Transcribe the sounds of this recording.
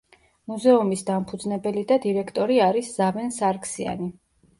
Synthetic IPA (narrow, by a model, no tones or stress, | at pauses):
muzɛumisd̪ampʰud̪znɛbɛlid̪ad̪iɾɛkʰt̪ʼɔɾiaɾisz̥avɛnsaɾkʰsia̰ni